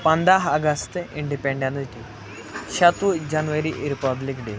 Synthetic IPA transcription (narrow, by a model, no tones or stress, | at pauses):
pɐnd̪aːɦɐɡɐst̪ɨʔiɳɖipeɳɖɐnʈʲːi | ɕɐt̪ʋud͡ʑɐnuʋɐɾiʔeɾupɐd̪likɖe